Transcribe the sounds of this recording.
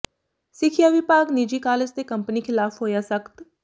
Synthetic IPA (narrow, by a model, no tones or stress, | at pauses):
sɪkʰɪjaːʋɪpaːɡnid͡ʒiːkaːlɪst̪ekəmpəniːkʰɪlaːpʰɦoːjaːsəkt̪